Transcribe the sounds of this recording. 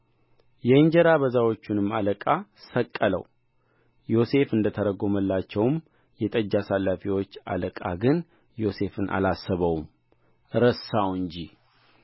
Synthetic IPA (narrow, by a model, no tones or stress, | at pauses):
jɛɨɲd͡ʒɛɾaβəzawo̞t͡ʃːunɨmːaləkʼasəkʼːələ̰w | jo̞se̞fɨnd̪ət̪ʰəɾəɡo̞məlːat͡ʃːɛwm | jɛt̪ʼəd͡ʒːasalːafiwo̞t͡ʃːa̰ləkʼa̰ɡɨn | jo̞se̞fɨnʔa̰lasːəβəwm | ɾəsawɨɲd͡ʒi